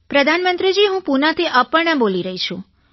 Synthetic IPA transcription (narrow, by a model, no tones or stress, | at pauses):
pɾəd̪ʱanmənt̪ɾid͡ʒiɦũpunat̪ʰiʔəpəɭɳeboliɾəɦit͡ʃʰũ